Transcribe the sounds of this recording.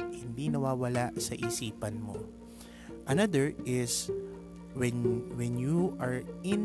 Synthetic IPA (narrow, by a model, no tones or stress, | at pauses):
hɪnd̪inɐwaːwɐlaʔsɐʔisiːpɐnmo̰ | ʔɐnad̪ɛɹɪs | wɛnwɛnjuʔaɹʔɪn